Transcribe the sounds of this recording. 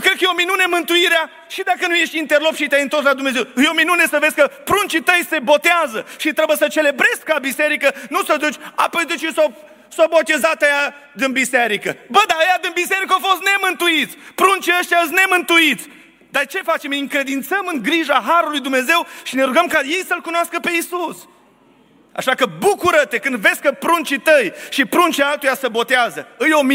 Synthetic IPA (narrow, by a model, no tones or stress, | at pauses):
kɾed̪̚kəjeominunemɨnt̪uiɾea | ʃid̪akənuje̞ʃt̪ʲint̪erlopʃit̪eajɨnt̪o̞rslad̪umne̞zewjeominune̞səvesʲkəpɾunt͡ʃit̪əjse̞bo̞t̪eazəʃit̪ɾebujesət͡ʃe̞le̞bɾe̞skabise̞ɾikənusəd̪ut͡ʃʲapojd̪ɨt͡ʃiso | sobot̪ezat̪əja | d̪ɨnbiseɾikəbəd̪aəjad̪ɨnbise̞ɾikəofo̞st̪ne̞mɨnt̪uit̪sʲpɾunt͡ʃiəʃt̪jas̬ne̞mɨnt̪uit̪sʲ | d̪art͡ʃe̞fat͡ʃe̞miŋkɾe̞d̪int̪səmɨŋɡɾiʒaɦaɾulujd̪umne̞ze̞wʃine̞ɾuɡəmkaje̞jsəlkunoaskəpe̞isus | a̰ʃakəbukuɾət̪e̞kɨnd̪ve̞skəpɾunt͡ʃit̪əjʃipɾunt͡ʃialt̪ujasəbo̞t̪eazəɨjo̞m